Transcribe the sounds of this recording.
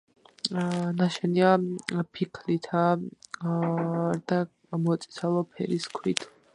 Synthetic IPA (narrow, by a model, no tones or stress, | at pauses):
naʃɛniapʰikʰlit̪ʰa | d̪a | mɔt̪sʼi̥sʰalˠɔpʰɛ̰ɾiskʰwit̪ʰ